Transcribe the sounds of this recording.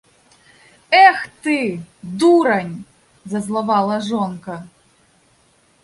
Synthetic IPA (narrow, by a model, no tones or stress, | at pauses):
ɛxt̪ɨd̪uɾɐnʲ | zɐzlˠavalˠɐʐɔnkɐ